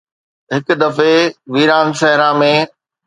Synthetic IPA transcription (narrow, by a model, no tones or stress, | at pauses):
ɦɪkd̪ɐfeʋiːɾaːnʃɛɦɪɾãmẽ